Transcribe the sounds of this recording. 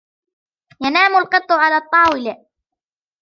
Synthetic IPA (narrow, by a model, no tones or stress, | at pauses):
janaːmʊlqɨt̪ˤːʊʕalaːt̪ˤːɑːwɪla